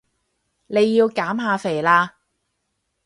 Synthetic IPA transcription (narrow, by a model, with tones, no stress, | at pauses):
ne˨˧jːiː˧wkaː˨˥mɦaː˧fe˨˩laː˧